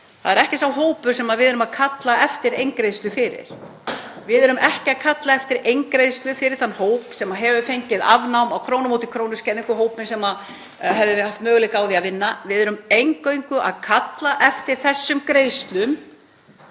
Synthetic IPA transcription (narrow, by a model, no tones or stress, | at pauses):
θa̰ðɛɾɛhcɪsawɦoːwpʏɾ̥sɛmaðvɪðɛɾʏmaðkʰat̪laɛft̪ɪɾejŋkɾejst̪ʏfɪɾɪ̰ɾ̥ | vɪðɛɾʏmʔɛhcɪaðkʰat̪laɛft̪ɪɾejŋkɾejðst̪lʏfɪɾɪɾ̥θanːhoːwpsɛmaɦɛvʏfejɲcɪða̰vnawmawkʰɾoːwnamowt̪ɪkʰɾownʏscɛnðiŋkʏɦoːwpmɪnsɛma | ɦɛvðɪhaft̪mœːɣʏlɪkaːwðiaðvɪnːavɪðɛɾʏmejŋkœjŋkʏʔa̰ðkʰat̪laʔɛft̪ɪɾ̥θɛsːʏmkɾejðst̪lʏm